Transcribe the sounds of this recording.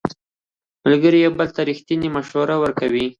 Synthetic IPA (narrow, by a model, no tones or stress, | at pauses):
malɡəɾijawbəlt̪aɾixt̪inimaʃwaɾawəɾkawi